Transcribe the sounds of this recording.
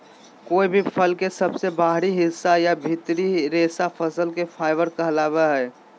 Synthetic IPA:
koːibʱipʰəlkesəbsebaɦɾiɦɪsːajabʱit̪ɾiɾesapʰəsəlkepʰaɪbəɾkəɦlabɛɦɛː

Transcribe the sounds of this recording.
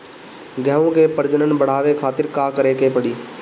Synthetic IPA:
ɡɛõkepəɾd͡ʒənənbəɽ̤aːʋekʰaːt̪ɪɾkakəɾekepəɽiː

